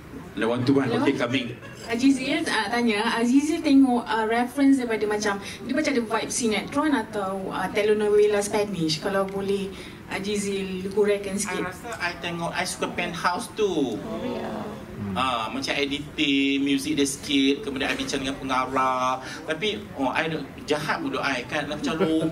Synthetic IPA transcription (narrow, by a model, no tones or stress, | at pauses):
lewant̪ubakamĩŋ | ad͡ʒizilət̪aɲaəd͡ʒizilt̪ɛŋɔʔəɾɛfɾəns̬dajpadamãt͡ʃam | dimat͡ʃadəwajp̚sinat̪ɾɔnat̪awət̪ɛlonowelaspɛniʃkalawbolɛh | əd͡ʒizilkuɾakːansə̥kiasaʔajt̪eŋɔʔajsu̥kapɛ̃nhawst̪u | əmãt͡ʃamɛdit̪imjuzik̚dəsə̥kit̪̚kəpadaajbit͡ʃandəŋanpəŋaɾa | t̪api | ɔʔa̰jdo | d͡ʒahat̪̚muduʔajkanlat͡ʃaɾo